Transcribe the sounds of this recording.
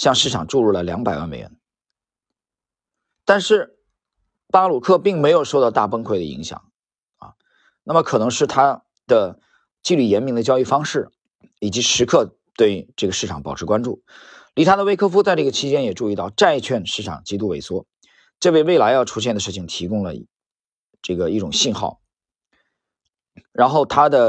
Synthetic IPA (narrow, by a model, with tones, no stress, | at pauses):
ɕjɑ˥˧ŋʂɻ̩˥˩ʈ͡ʂʰɑ˨˩ŋʈ͡ʂu˥˧ɻu˥˩lə˩ljɑ˧˥ŋpa˨˩ɪwa̰˥˩nme˨˩ɪɥɛ̰˧˥n | t̪a˥˧nʂɻ̩˥˩ | pa˥lu˨˩kʰɤ˥˧˩pi˥˩ŋme˧˥ɪjo˨˩ʊʂo˥˧t̪ɑ˥˧ʊt̪a˥˩pə˥ŋkʰwe˥˩ɪd̪ə̰˩ḭ˧˥ŋɕjɑ̰˨˩˦ŋ | ɐ̰˧˩ | na˥˩mə˩kʰɤ˨˩nɤ˧˥ŋʂɻ̩˥˩t̪ʰa˥ | d̪̥ə˨ | t͡ɕi˥˧ly˥˩jɛ˧˥nmi˧˥ŋd̪ə˧t͡ɕjɑ˥ʊi˥˩fɑ˥ŋʂɻ̩˥˩ | i˨˩t͡ɕi˧˥ʂɻ̩˧˥kʰɤ˥˧ | t̪we˥˧ɪʈ͡ʂɤ˥˩ɡə˩ʂɻ̩ʰ˥˩ɑ˨˩ŋpɑ˨˩ʊʈ͡ʂʰɻ̩˧˥kwa˥nʈ͡ʂṵ˥˩ | li˧˥t̪ʰa˧˥d̪ə˨˧we˥ɪkʰɤ˥fu˥t͡sa˥˧ɪʈ͡ʂɤ˥˩ɡə˩t͡ɕʰi˥t͡ɕjɛ˥njɛ˨˩ʈ͡ʂu˧i˥˧t̪ɑ˥˧ʊʈ͡ʂa˥˧ɪt͡ɕʰɥɛ˥˧nʂɻ̩˥˩ʈ͡ʂʰɑ̰˨˩ŋt͡ɕi˥t̪u˥we˧˥˩ɪswɔ˥ | ʈ͡ʂɤ˥˧we˥˧ɪwe˥˩ɪla˧˥ɪjɑ˥˩ʊʈ͡ʂʰu˥ɕ̬jɛ˥˩nd̪ə˩ʂɻ̩˥˩t͡ɕʰi˨˩ŋt̪ʰi˧˥kʊ˥ŋlə̰˨ | ʈ͡ʂɤ˥˩ɡə˩i˥˩ʈ͡ʂʊ˨˩ŋɕi˥˧nxɑ˥˩ʊ | ɻa˧˥nxo˥˩ʊt̪ʰa˥d̪ə˨